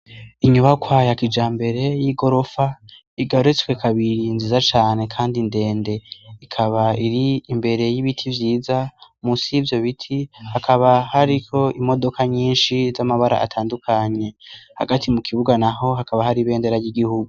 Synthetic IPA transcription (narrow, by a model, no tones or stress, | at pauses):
iɲuβakwajakid͡ʒaːmbe̞ɾe̞jiɡo̞ɾo̞fa | iɡaɾet͡skwekʰaβiɾinzizat͡ʃaːne̞kʰaːndinde̞ːnde̞ikʰaβaiɾiːmbe̞ɾe̞jiβitʰivjiːzamusivjo̞βitʰihakʰaβahaɾiko̞imo̞do̞kaɲiːnʃizamaβaɾa̰ʔa̰tʰaːndukʰaɲe̞ha̰ɡatʰimukʰiβuɡanaho̞ɦakʰaβahaɾiβe̞ːnde̞ɾajiɡihuɡu